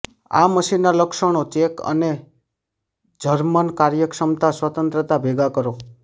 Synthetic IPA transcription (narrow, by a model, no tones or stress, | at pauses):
a̰məʃinːaləkʃəɽ̃ot͡ʃekə̰ne | d͡ʒʱəɾmənkaɾjəkʂəmt̪aswət̪ənt̪ɾət̪abʱeɡakəɾo